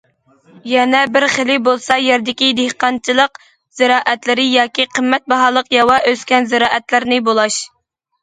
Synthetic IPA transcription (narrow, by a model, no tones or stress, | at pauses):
jɛnɛbɪɾχelɪbolˠsɑjɛɾd̪ɪkʲid̪ehqɑnt͡ʃʰɨlˠəq | z̥ɪɾɑːʔɛt̪lɪɾɪjɑːkʲiqʰəmːɛt̪̚bɑɦɑːlˠəqjɑwɑʔøskʲɛnzɪɾɑːʔɛt̪lɪɾnɪbolˠɑʃ